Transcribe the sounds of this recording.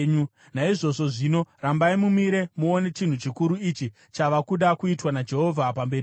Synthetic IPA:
ɲu | naiʐo̞ʐo̞ʐino̞rambaimumiɾe̞muone̞t͡ʃin̤ut͡ʃikuɾuit͡ʃi | t͡ʃaʋakuɗakuitwanad͡ʒe̞ɦo̞vʱapambe̞ɾi

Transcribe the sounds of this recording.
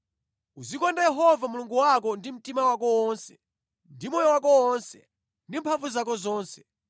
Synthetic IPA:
uzikɔndajɛɦɔvamuluŋɡuwak̬ɔndim̩timawakɔwɔnsɛ̥ | ndimɔjɔwakɔwɔnsɛ | ndimpʰaɱvuzak̬ɔzɔːnsɛ̥

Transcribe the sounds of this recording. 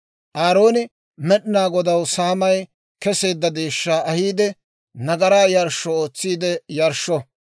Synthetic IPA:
ʔaːɾo̞ːnɪ | mɛɗnaːɡɔd̪ɐwsaːmɐj | kɛse̞ːd̪ːɐd̪eːʃːaːɐhiːd̪ɛ | nɐɡɐɾaːjɐɾʃːɔoːt͡sːiːd̪ɛjɐɾʃːɔ

